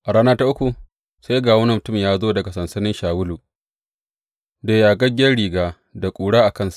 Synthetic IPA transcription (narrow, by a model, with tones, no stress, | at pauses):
ʔa˨ɽaː˦naː˦ta˦ʔʊ˦kʷu˨ | sa˦jɡaː˨wʊ˦nɐ˨mʊ˨tʊ˦˨mjaː˦zoː˦dɐ˨ɡa˨sɐ˨nsɐ˦nɪ˦nʃaː˨wʊ˦luː˨ | deː˨jaː˨ɡɐ˦ɡʲɪ˦ɐ˦rɽiː˨ɡaː˦ | da˨kʷʼuː˨ɽaː˦ʔa˨kɐ˦nsu˨ʔ